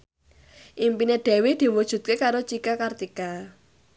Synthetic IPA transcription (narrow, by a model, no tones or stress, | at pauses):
ʔimpineɖ̪̥ɛ̤wed̪̥i̤wud̥ʒ̥ṳt̪̚kekaɾot͡ʃikakart̪ika